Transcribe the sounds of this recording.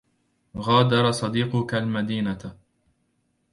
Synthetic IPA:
ɣaːd̪ɑɾˤɑsˤɑd̪iːqʊkalmad̪iːna

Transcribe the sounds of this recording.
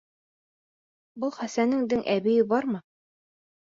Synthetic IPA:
bɤlˠχæsænɘŋd̪ɘŋʔæβĭjɘbɑɾmɤ

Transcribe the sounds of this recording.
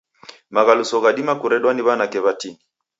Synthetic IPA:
maɣalusɔɣaɗimakuɾɛɗwaniβanakɛβatiŋi

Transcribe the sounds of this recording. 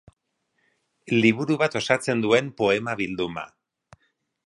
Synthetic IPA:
liβ̞uɾuβat̪o̞sat͡se̞nd̪ue̞mpo̞e̞maβild̪uma̰

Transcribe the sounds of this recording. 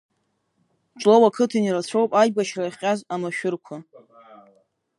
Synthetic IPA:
ʈ͡ʂʷʼlowakʰɨtʰinirat͡ɕʷʰowpʼajɡaʃrajχʲʼazamaʃᶣʊrkʷʰa

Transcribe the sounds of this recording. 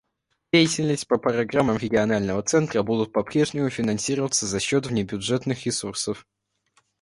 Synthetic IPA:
dʲejɪtʲɪlʲnəsʲtʲpəpɾɐɡramːəmɾʲɪɡʲɪɐnalʲnəvət̪sɛnt̪ɾəbud̪ʊt̪̚pɐpɾʲe̞ʐnʲɪmʊfʲɪnɐnsʲiɾəvət̪səzɐɕːot̪vnʲɪbʲʊʐɛt̪nɨxɾʲɪsursəf

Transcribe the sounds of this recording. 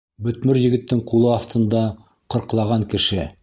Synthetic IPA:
bɵ̆t̪mɘɾjɘ̆ɡɘ̆t̪ːɘŋqulˠɤɑft̪ʰɤ̆nd̪ɑ | qɤ̆ɾqlˠɑʁɑŋkɘ̆ʃɘ

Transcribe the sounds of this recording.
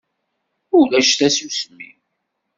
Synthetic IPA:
ʊlæʃθæsusmḭ

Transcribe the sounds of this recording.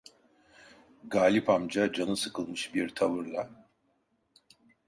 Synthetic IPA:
ɡaːlʲipʰamd͡ʒad͡ʒanɯsɯkʰɯlˠmɯʃbiɾt̪ʰavɯɾlˠa

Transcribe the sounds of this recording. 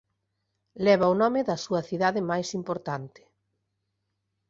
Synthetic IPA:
lɛβ̞ɐonɔmɪðɐsuɐθiðaðɪmajsimpoɾt̪ant̪ɪ̥

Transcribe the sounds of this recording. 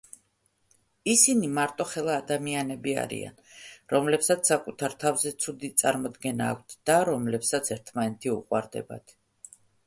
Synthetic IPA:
isinimaɾt̪ʼɔχɛlˠaːd̪amianɛbia̰ɾḭa̰nɾɔmlɛpsat̪ssakʼut̪ʰaɾt̪ʰavzɛt̪sʰud̪it̪sʼaɾmɔd̪ɡɛnaːkʰʷt̪ʰd̪̥aɾɔmlɛpsat̪sʰɛɾt̪ʰmanɛt̪ʰiṵqʼwa̰ɾd̪ɛ̰ba̰t̪ʰ

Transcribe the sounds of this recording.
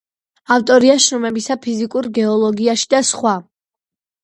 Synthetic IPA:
aft̪ʼɔɾiaʃɾɔmɛbisapʰizikʼuɾɡɛɔlˠɔɡiaʃi̥d̪asχwa

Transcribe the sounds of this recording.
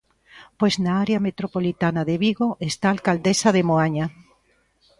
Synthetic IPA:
pojznaaɾeamet̪ɾopolit̪anaðeβiɣoʔest̪aːlkald̪esaðemoaɲa

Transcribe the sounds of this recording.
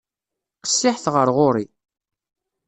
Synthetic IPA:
qə̥sːɪħθʁəɾʁʊɾi

